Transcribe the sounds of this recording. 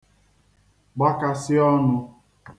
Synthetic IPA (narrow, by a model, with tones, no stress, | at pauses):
ɡ͡ba˦ka˨sɪ˦ɔ˦nʊ˧